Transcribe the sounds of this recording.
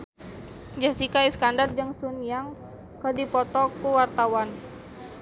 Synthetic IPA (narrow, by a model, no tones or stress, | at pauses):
d͡ʒasikaiskandard͡ʒəŋsunijaŋ | kərdipɔt̪ɔkuwart̪awan